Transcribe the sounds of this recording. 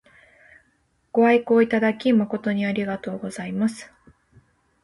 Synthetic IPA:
ɡ̥o̞aikoːit̪ad̪akʲimako̞t̪o̞ɲ̟iaɾʲiɡat̪o̞ːɡo̞zaimasɨ̥

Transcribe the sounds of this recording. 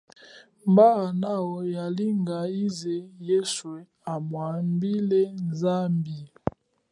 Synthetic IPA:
mbanawɔjaliŋɡaizejɛswɛ | amwambilɛnzambi

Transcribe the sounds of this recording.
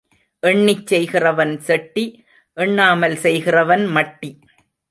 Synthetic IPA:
ʔɛɳːɪt͡ʃːɛjɣɪrɐʋɐnsɛʈːi | ʔɛɳːaːmɐlsɛjɣɪrɐʋɐnmɐʈːi

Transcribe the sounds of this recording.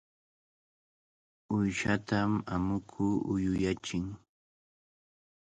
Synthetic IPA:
ʊjʃat̪amamʊkʰuːʔʊjʊjat͡ʃɪŋ

